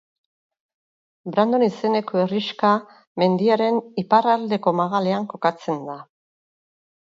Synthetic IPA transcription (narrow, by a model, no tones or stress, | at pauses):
bɾand̪o̞nise̞ne̞ko̞eriʃka | me̞nd̪iaɾe̞niparald̪e̞ko̞maɣale̞aŋko̞kat͡se̞nd̪a